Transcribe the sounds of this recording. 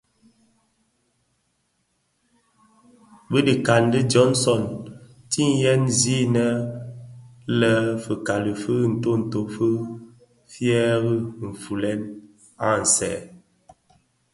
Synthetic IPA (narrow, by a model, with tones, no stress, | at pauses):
bə˦di˨ka˨ndə˦d͡ʒɔ˦nsɔ˦˨n | ti˦ŋjɛ˦nzi˦nə˦ | lə˦fə˨ka˨lə˨fə˦n̩˨to˦n̩˨to˨fə˦ | fjɛ˦ɣə˦m̩˨fu˨lɛ˦n | a˦n̩˨sɛ̰˨